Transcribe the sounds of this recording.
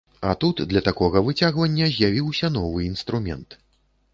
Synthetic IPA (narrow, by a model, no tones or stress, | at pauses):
ɐ̰t̪ut̪d̪lʲɐt̪akɔɣɐvɨt͡sʲaɣvɐnʲːɐzʲjavʲiwsʲɐnɔvɨinst̪ɾumʲɛ̰nt̪